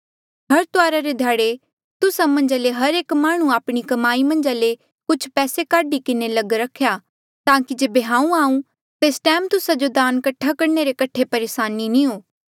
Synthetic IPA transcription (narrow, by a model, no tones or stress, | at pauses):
ɦɐɾt̪ʊaːɾaɾed̪ʱjaːɽe | t̪ʊsamɐ̃ɲd͡ʒaleɦɐɾeːkmaːɽ̃ũaːpɽ̃ikɐmaːimɐ̃nd͡ʒale | kʊt͡ʃʰpɛːsekaːɖikɪnelɐɡɾɐkʰja | t̪ãːkid͡ʒeːbeɦãːũaːũ | t̪eːsʈɛːmt̪ʊsad͡ʒod̪aːnkɐʈʰːakɐɾneɾekɐʈʰːepɐɾeːsaːninĩɦoː